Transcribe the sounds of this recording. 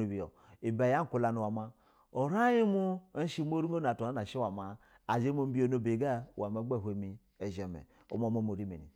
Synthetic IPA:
u˨bi˨jo̰˨ | i˨ba˨ja˦ŋ̩˦ku˨la˨nu˨wa˨ma˨ | o˨ɾa˦ji˦mu˦ʃi˦m˦o˦ɾu˦o˦n˨a˨to˨na˦na˨ʃi˦wa˨ma˨ | a˨d͡ʒe˦mo˨˦m̩˦bi˦o˨no˨be˨ɡa˦˨wa˨ma˦ɡ͡be˦˨ɦʷe˨mi˨ | e˨ʒe˨mḛ˨ | o̰˨˦mo˦˨mo˦m˨o˨ɾi˦mḛ˨nḭ˨

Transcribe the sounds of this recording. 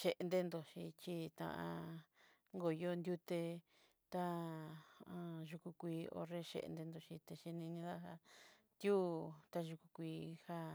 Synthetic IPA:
ʃe˧ʔnd̪e˧nd̪o˨ʃi˧t͡ʃi˦t̪ã̰˧ʔã̰˧ | ŋɡo˨jo˦˧nd̪ʲju˦t̪e˧ | t̪a˦ | ã˧ʒu˧ku˧kʷiː˧˦o̰˧re˧ʃḛ˧ʔnd̪e˧nd̪o˧ʃi˧t̪e˧ʃi˧nĩ˧nĩ˧ða˦a˧ | t̪ju˦t̪a˦˧ʒu˧ku˧kʷiː˧ha˦

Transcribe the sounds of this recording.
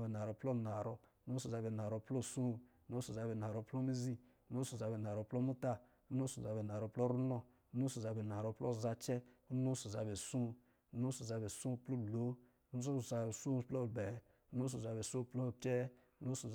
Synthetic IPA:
ɛ˨na˨ɾɔ˨˦plɔ˦˨na˨ɾɔ˨˦no˦s̬u˨za˧bɛ˨n˨a˨ɾɔ˨˦plo˦˨su˦˨u˦no˦su˨za˧bɛ˨na˨ɾɔ˧plɔ˦mi˦zi˦ | u˦no˦su˨za˨bɛ˨na˨ɾɔ˨˦plɔ˦mu˦ta˦ | u˦no˦su˨za˨bɛ˨na˨ɾɔ˨plɔ˦ɾu˦nɔ˦ | nu˦su˨za˧˨bɛ˨n˨a˨ɾɔ˧˦plɔ˦˨za˧t͡ʃɛ˦u˦nu˦su˨za˨be˨sũ˦˨˦ | nu˦su˨za˧be˨sũ˦˨˦plo˦˨lo˨˦ | nu˦u˦˨a˨e˨su˦˨plɔ˦˨bɛ˨ | u˦no˦s̬u˨za˨bɛ˨su˦plɔ˦˨tɛ˦ | u˦no˦su˨

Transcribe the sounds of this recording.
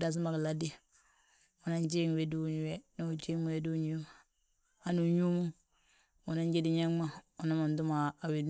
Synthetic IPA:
da˦˨s̬i˦ma˨ki˨la˦di˦˨ | o˨na˦nd͡ʒe˦ŋ˨we˦du˦˨ɲ˨we˦no˦˨t͡ʃi˦mu˨we˦du˦˨ɲ˦m˨ | a˦nu˨ɲu˦mu˦ | o˨na˦nd͡ʒe˦di˨ɲa˦ŋma˨o˨na˦ma˨ndu˦maː˨wi˨

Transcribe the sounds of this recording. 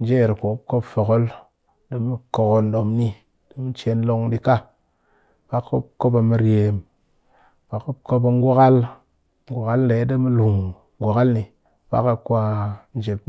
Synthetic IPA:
n̩˦d͡ʒe˦˨ɾko˨˦p̚ko˦pfo˨ɣo˦l | ɗi˦mi˦ko˨ko˨n˦ɗo˨mni˦ | di˦mi˦t͡ʃe˧n˦lo˧ŋdi˦ka˦ | pa˦kːo˦ko˦pa˨mi˦ɾe˨m | pa˨ko˦ko˦ba˨ŋ˦ɡʷa˦ka˦l | ŋɡʷa˨ka˦ln˦de˨˦di˦mi˦lu˨ŋ˦ | ɡʷa˨ka˦lni˨ | pa̰˦ka˦kʷa˧n˦d͡ʒe˨

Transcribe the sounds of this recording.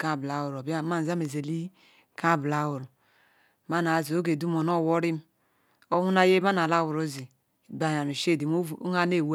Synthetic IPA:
ka˦˨bla˨wu˨ɾo˨ba˦ma˦˨n˨za˦me˨ze˨li˦ | ka˦˨bla˨wu˨ɾ | ma˦na˨zo˦ɡe˨du˦mo˨no˦˨wo˦ɾi˦m˦ | o˦hu˦na˦je˦ma˦na˨la˦˨wu˨ɾo˦zi˨ | ba˨ja˨n˨u˨ʃe˦˨di˨m˦˨˦ŋa˦ne˦˨w

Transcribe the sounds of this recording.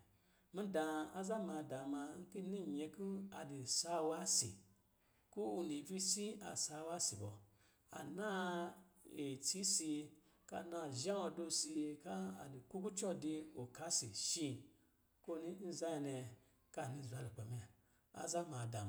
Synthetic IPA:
mi˦da˧a˦za˦mã˧da˨ma˧ŋ̩˦ki˦ni˦˨ɲe˧ku˦a˨di˨sa˦wa˦sḭ˨ | ku˦u˧ni˨vi˦si˦a̰˨sa˧wa˦si˨bɔ˨ | a̰˨nã˦ | e˨t͡si˦si˧ | ka̰˧˨na˧˨ʒã˦ɔ˧do˧si˧ka˦a̰˨li˨ku˦ku˦t͡ʃɔ˦di˧o˨ka˦si˨ʃi˧ | ko˦ni˦n̩˦za˦i˧ne˧ | ka˧˨nĩ˧˨za˧˦li˨k͡pe˨mi˧a˨ | a̰˨za˦ma˨da˨m

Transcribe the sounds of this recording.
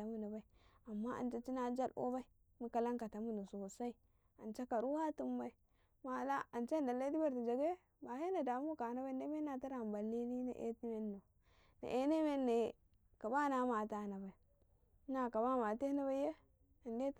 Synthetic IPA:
a˨mu˨nu˨ba˦i˦a˨mːa˦ʔa̰˨nt͡ʃa˦t͡ʃi˦na˦d͡ʒa˦lʔo̰˦ba˦i˦ | mu˨ka˨la˦ŋka˨ta˨mu˦nu˨so˨sa˦i˦ | a˨nt͡ʃa˦ka˨ɾu˦wa˦tu˦mba˦i˦ | ma˨la˦a˨nt͡ʃe˦nda˨lːa˦di˦ba˦ɾti˨d͡ʒa˨ɡe˦ | ba˨he˦na˨da˨m˦u˦ka˨na˦ba˦˨nde˦me˦na˨ta˦ɾa˨m˨ba˨lːi˦ni˦na̰˨ʔḛ˦ti˦me˦nːo˨ | na̰˨ʔe˦ne˦me˦nːe˨ | ka˨ba˦na˦ma˨ta˨na˨ba˨i˨˦ | na˨ka˨ba˦ma˨te˦na˦βa˦je˦ | a˨nde˦

